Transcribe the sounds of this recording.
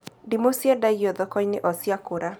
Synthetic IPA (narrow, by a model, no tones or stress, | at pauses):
dimosjadajɔðɔkɔɲnɪʔɔsjakoɾa